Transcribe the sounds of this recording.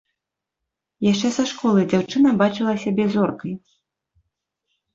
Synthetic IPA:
jaʂt͡ʂɛsaʂkɔlˠɨd͡zʲawt͡ʂɨnɐbat͡ʂɨlˠɐsʲabʲɛzɔrkɐj

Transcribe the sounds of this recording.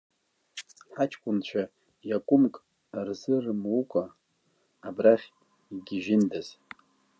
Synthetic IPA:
ħat͡ʃʰkʷʼʊnt͡ɕʷʰa | jakʷʼʊmkʼ | rzɨrmukʷʼaː | braχʲ | iɡʲɪʒɪndaz̥

